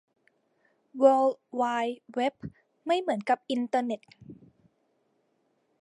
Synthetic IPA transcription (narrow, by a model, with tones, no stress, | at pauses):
wɤː˧lwaː˧jwe˦˥p̚ | ma˥˩jmɯ˩˦ənka˨˩p̚ʔi˧nt̪ɤː˧ne˨˩t̪̚